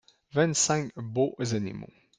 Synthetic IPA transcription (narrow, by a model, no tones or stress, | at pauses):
vɛnsãŋboʔzɛnḭmõ̰